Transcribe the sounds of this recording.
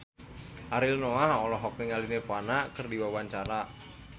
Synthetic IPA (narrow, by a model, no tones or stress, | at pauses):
ʔaɾilnɔaɔlɔɦɔk̚niŋalinefanakərdiwawaɲt͡ʃaɾa